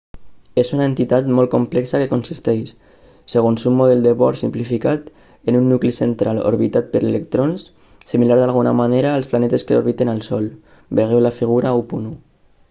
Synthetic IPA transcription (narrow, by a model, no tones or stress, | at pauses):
esunaent̪it̪at̪mɔlˠkomplɛksakekonsist̪ɛjʃ | seɣ̞onsumːoðɛld̪eβɔɾsḭmplifikat̪ | enunːuklisent̪ɾalo̰ɾβit̪at̪̚pəɾelek̚t̪ɾonsː | imilaɾðalˠɣ̞una̰maneɾaːlˠsplanɛt̪eskeoɾβ̞it̪enalˠsɔl | beɣewlafiɣ̞uɾaupunu